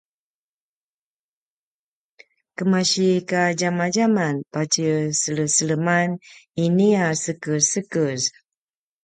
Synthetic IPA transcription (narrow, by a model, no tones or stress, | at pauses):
kəmaɕikad͡ʒamad͡ʒamanpat͡ʃəsələsələmaniniasəkəsəkəz